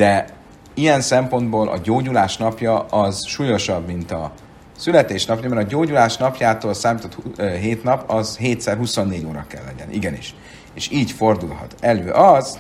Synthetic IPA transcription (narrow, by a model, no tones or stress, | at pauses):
d̪̥ɛ | ijɛnsɛmpo̞nd̪boːlʔɒ̰ɟoːɟulaːʃnɒpjɒʔɒzʃuːjo̞ʃɒbmint̪ɒ | sylɛt̪eːʃnɒpjɒmɛɾɒɟoːɟulaːʃnɒpjaːt̪oːlsaːmiːt̪ot̪hɦeːt̪nɒpɒzɦeːt̪sɛrɦuso̞nːeːɟoːɾɒ̰kɛ̰lːɛɟɛ̰nʔḭɡɛnḭʃ | eːʃiːɟfo̞rd̪ulɦɒ̰t̪ɛløːʔɒz